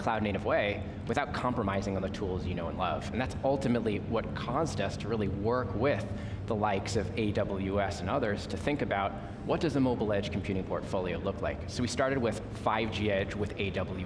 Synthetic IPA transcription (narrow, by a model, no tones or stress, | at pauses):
kʰl̥aʊdⁿneɪɾʌvweɪ | wɨθaʊt̚kʰɑ̃mpɹəmaɪzɪ̃ŋə̃nðɨtʰulˠzjɨnoʊə̃nlʌ̰v̥ɨ̃n̩ðætsʌlˠtɨmətˡliwʌt̚kʰɔzdʌstʰɨɹɪlˠiwɜ˞kwɪð | əlaɪksʌveɪdʌbl̩ˠjʉɛsɨ̃nʌðə˞z̥tʰɨθɪ̃ŋkɨbaʊt̚ | wʌt̚d̥ʌzəmoʊbl̩ˠɛd̥ʒ̥kʰm̩pʰjʉɾɪ̃ŋpʰɔ̰ɹtfoʊlˠioʊlʊkʰlaɪksoʊwistɑɹɾɨd̚wɪð̥ | faɪvd͡ʒiɛd͡ʒwɨðeɪdʌbl̩ˠj